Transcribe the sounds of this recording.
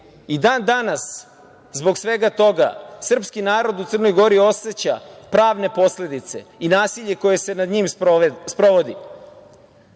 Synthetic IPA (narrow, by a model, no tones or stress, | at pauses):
id̪aːnd̪anas | zbo̞ɡsʋe̞ɡat̪o̞ɡa̰sr̩pskinaːɾo̞d̪ut̪sər̩no̞jɡo̞ɾio̞se̞t͡ɕa̰pɾaːʋne̞po̞sle̞d̪it̪se̞̰inaːsiʎe̞ko̞je̞se̞nad̪ɲimspɾo̞ʋod̪ḭ